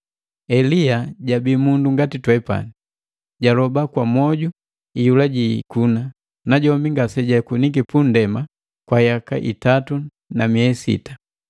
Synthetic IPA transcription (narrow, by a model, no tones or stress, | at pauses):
ɛliaɟabiːmunduŋɡatitwɛpa̰ni | ɟalɔbakwamɔɟu | ijulaɟikuna | naɟɔmbiŋɡasɛɟakunikipundɛma | kwajaka̰ʔḭtatu | namiɛsḭtḁ